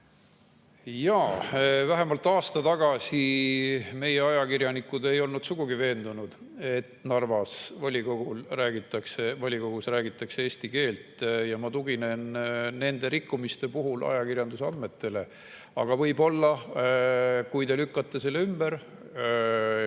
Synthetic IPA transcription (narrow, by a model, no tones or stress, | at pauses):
jɑːvæɦe̞mɑlt̪ːˑɑːst̪ɑt̪ɑɡ̥ɑsʲi | me̞je̞ɑjɑkirjɑnikːˑud̪e̞jo̞lnud̪suɡ̥uɡive̞ːnd̪unud̪̥ | e̞t̪nɑrvɑsvɑlʲikoɡ̥ulræːɡ̥it̪ːˑɑksevɑlʲiko̞ɡ̥usræːɡit̪ːˑɑksee̞ːst̪ike̞ːlt̪ˑjɑmɑt̪uɡ̥ine̞nːe̞nd̪e̞ɾikːumist̪e̞puɦulʔɑ̰jɑkirjɑnd̪useɑ̰nd̪me̞t̪ːe̞le̞ | ɑɡ̥ɑvɤjbo̞lːɑ | kujt̪e̞lykːɑt̪ˑːeselːeymbeɾ